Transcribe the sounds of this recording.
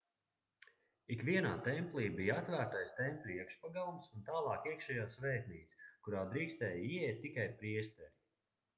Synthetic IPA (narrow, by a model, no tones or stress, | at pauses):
ikvʲiɛnaːt̪ɛmpʲliːbijat̪væːɾt̪ajst̪ɛmpʲlʲiɛkʃpaɡalˠumsunt̪aːlˠɑːkiɛkʃɛjaːsvɛːt̪niːt̪skuɾaːd̪ɾiːkst̪ɛːjiɛɛjt̪̚ʲːikajpɾiɛst̪ɛ